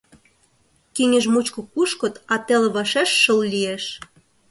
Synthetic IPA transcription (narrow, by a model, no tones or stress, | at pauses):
kiŋʲĕʒmut͡ɕkŏkuʃkŏt̪ɑt̪elβɑʃeʃːəllieʃ